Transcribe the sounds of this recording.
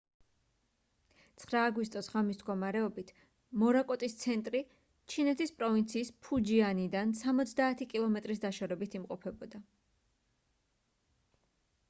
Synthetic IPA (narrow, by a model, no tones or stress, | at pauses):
t̪sʰχɾaːɡwist̪ʼɔsʁamisd̪ɡɔmaɾɛɔbit̪ʰ | mɔɾakʼɔt̪ʼist̪sʰɛnt̪ʼɾi | t͡ʃʰinɛt̪ʰispʼɾɔvint̪sʰiːspʰud͡ʒianid̪ansamɔt̪sʰd̪aːt̪ʰikʼilˠɔmɛt̪ʼɾisd̪aʃɔɾɛbit̪ʰimqʼɔpʰɛbɔd̪a